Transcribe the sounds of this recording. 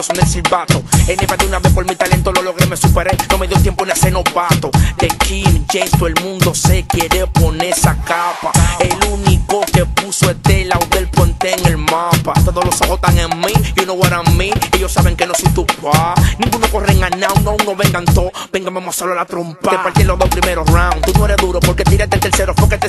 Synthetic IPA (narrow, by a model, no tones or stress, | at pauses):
osonelsilbat̪oenepad̪iunaβehpolmit̪alent̪ololoɣɾemesupeɾenomeðjot̪jemponesenopat̪od̪ekimd͡ʒenst̪oelmũnd̪osekeɾeponesakapa̰elunikokepusoet̪elawd̪elpwent̪eːŋelmapat̪oðoslosaβot̪aŋeŋmionoβwaɾamĩejosaβeŋkenosojt̪upwanĩŋɡunokoreŋanaunauŋnoβeŋɡant̪o | beŋɡamamosolalat̪ɾompaepalt̪elozðospɾimeɾosraw̃nt̪unoeɾeðuɾopoɾket̪iɾet̪elt̪eɾseɾopoket̪e